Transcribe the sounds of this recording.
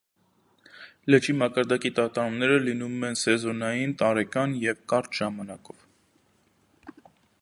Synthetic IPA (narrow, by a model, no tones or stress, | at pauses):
lət͡ʃimɑkɑɾd̪ɑkit̪ɑt̪ɑɾumnɛɾəlinumɛnsɛzɔnɑjint̪ɑɾɛkɑnjɛvkɑɾt͡ʃ̪ʒ̥ɑmɑnɑkɔv